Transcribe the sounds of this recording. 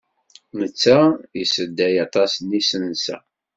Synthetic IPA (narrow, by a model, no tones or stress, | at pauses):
mət͡sːæjəsəd̪ːæjɑt̪ˤɑsnisənsæ̰